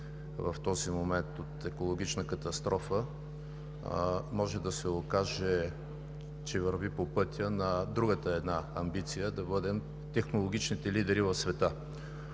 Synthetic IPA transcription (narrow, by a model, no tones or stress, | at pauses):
vɐ̰ft̪ɔzimomɛnt̪ot̪ɛkolˠoɡ̟it͡ʃnəkɐt̪ɐst̪ɾʔɔfə | mɔʒɛd̪ɐsɛokaʒɛ | t͡ʃɛvəɾvipopɤt̪ʲənɐd̪ɾuɡət̪əɛd̪naɐmbit̪sijəd̪ɐbɤd̪ɛm | t̪ɛxnolˠoɡ̟it͡ʃnit̪ɛlid̪ɛɾivɐfsvɛt̪ə